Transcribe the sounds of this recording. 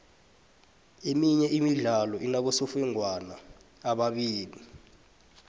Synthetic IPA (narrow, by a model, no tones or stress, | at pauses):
emiɲɛʔimiɮalɔʔinaɓɔsɔfɛŋʱwanaːɓaɓiːli